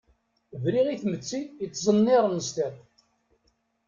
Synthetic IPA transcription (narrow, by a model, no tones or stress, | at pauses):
vɾiʁiθmət͡sːiət͡sːzˤənːiɾˤnəst̪æt